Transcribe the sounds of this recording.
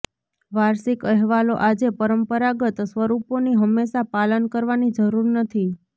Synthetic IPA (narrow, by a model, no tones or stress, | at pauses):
ʋaɾsikəɦʋaloʔad͡ʒepəɾəmpəɾaɡət̪sʋəɾuponiɦəmːeʃapalənkəɾʋanid͡ʒəɾuɾnət̪ʰi